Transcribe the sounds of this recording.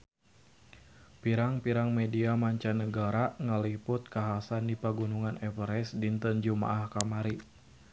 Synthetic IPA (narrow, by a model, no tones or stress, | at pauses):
piɾaŋpiɾaŋmediamaɲt͡ʃanəɡaɾaŋəlipʊt̪̚kaɦasandipaɡunuŋanɛpəɾɛsdint̪ənd͡ʒuma̰ʔahkamaɾi